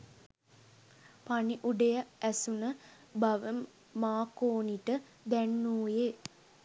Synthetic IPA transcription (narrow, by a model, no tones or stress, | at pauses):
paniʔuɖejaæsunə | baʋəmː | aːkoːniʈə | d̪ænːuːje